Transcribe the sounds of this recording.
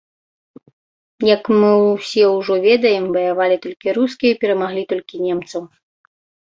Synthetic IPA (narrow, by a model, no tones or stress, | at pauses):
jɐkmɨsʲɛwʐɔvʲɛd̪ɐjɛmvɐjavalʲit̪ɔlʲkʲiɾus̬kʲijɐipʲɛɾɐmaɣlʲit̪ɔlʲkʲinʲɛmt̪sɐw